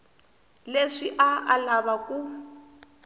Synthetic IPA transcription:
leʂiʔaa̰laβakʼu

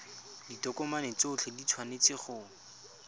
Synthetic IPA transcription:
ditɔkɔmanet͡sʊt͡ɬʰɛdit͡sʰwanet͡sɪχʊ

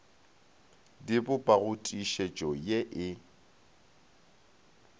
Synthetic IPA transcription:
dɪbʊpʼaɣʊtʼiʃet͡ʃʼɔjeʔɪ

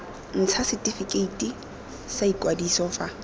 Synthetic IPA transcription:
n̩t͡sʰasɪtʼifikʼeitʼi | saikʼwadisɔfa

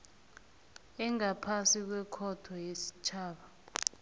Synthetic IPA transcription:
ɛŋapʰasik̬wɛkʰɔtʰɔjesi̥t͡ʃʰaːɓa

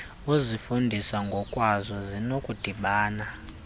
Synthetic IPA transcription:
uzʷifundʱisaŋɡʱɔkʼwazɔzinokʼud̥ʱiɓaːna

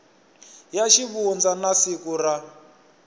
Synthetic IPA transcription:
jaʃiβund͡zanasikura

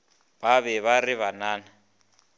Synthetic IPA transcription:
baβɛβariβanaːna

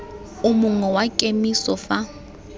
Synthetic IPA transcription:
ʊmʊŋɔwakʼemisɔfa

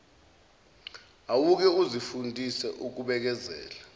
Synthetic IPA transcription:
awuk̬ɛuzifundʱisɛʔuk̬uɓɛk̬ɛzɛ̰ːla

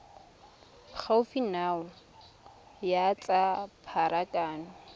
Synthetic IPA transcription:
k͡xʰaʊfinaːʊ | jat͡sʼapʰaɾakʼaːnʊ

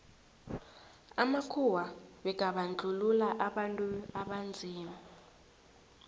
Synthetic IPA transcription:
amakʰuwaɓɛɡ̥ʱaɓand͡ɮʱululaʔaɓantʼuaɓand͡zʱiːma

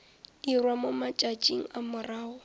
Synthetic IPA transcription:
irwamomat͡ʃʼat͡ʃʼiŋ̩amʊraːʊ

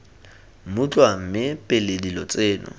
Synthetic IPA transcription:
mut͡ɬʼwam̩mɪpʼeledilɔt͡sʼeːnʊ̰

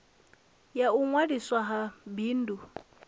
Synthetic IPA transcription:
jauŋwadiswaɦabiːn̩du

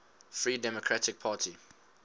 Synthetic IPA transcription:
fɹiːdɛmɔkʰɹatɪk̚pʰaːtʰi

